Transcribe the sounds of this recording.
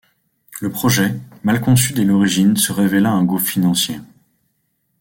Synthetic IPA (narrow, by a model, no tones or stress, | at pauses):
ləpχɔʒɛmalkɔ̃syd̪ɛlɔʁiʒinsəʁevelaɛ̃ɡufinɑ̃sjḛ